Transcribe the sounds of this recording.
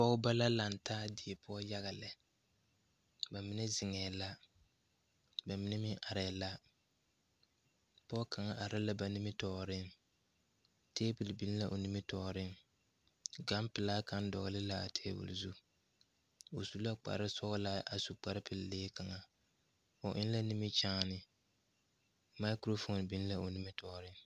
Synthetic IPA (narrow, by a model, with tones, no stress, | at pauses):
pɔ˦ʊ˦ba˦la˦la˨n˨tʰaː˦dɪ˨ɛ˨pʰʊ˦ɔ˦ja˦ɣa˨lɪ˨ | ba˨mɪ˦nɛ˦zɪ˨ŋɛː˨la˦ | ba˨mɪ˦nɛ˦mɪ˦ŋʔa˨ɾɛː˨la˦ | pɔ˦ka˨ŋa˨ʔa˨ɾɪ˦la˦ba˨nɪ˦mɪ˦tɔː˨ɾɪ˦n | teː˦pɪ˨lbi˨˦n˦la˦ʔo˨ni˦mɪ˦tɔː˨ɾɪ˦n | ɡa˦mpɪ˨la˦ka˦n˦dɔ̰˨ɣlɪ˦la˦a˨tʰe˦bṵ˨lzu˦ | o˨su˨˦la˦k͡pa̰˨ɾɪ˦sɔ˦ʔla˦ʔa˨su˨k͡pa˦ɾɪ˦pɪ˨lleː˦ka˨ŋa˨ | o˨ʔɪ˦n˦la˦ni˦mɪ˦t͡ʃaː˦nɪ˨ | ma˦ɪ˦kɾo˦fo˨nbi˨n˦la˦ʔo˨ni˦mɪ˦tɔː˨ɾɪ˦ŋ